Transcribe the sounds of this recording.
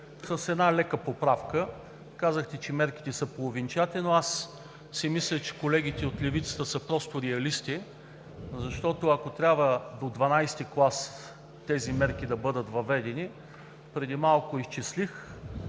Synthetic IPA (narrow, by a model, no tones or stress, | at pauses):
səsɛd̪nalɛkəpopɾafkə | kazəxt̪ɛt͡ʃɛmɛɾki̥t̪ɛsəpolˠovint͡ʃat̪ɛnoasː | imislʲət͡ʃɛ̥kolɛɡ̟it̪ɛot̪lɛvit̪sə̥t̪əsəpɾɔst̪oɾɛɐlist̪i | zɐʃt̪ɔt̪oɐkot̪ɾʲabvəd̪od̪vɐnajst̪iklˠas | t̪ɛzimɛɾk̟id̪ɐbɤd̪ət̪vɐvɛd̪ɛni | pɾɛd̪imalˠkʊist͡ʃislix